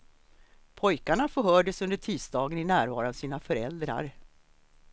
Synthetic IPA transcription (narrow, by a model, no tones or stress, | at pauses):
pʰɔjkaɳafœɦœːɖəsɵnd̪əʈʰiːsd̪ɑːɡənɪnæːɾvɑ̰ːɾʊavsiːnafœɾɛ̰ld̪ɾa̰ɾ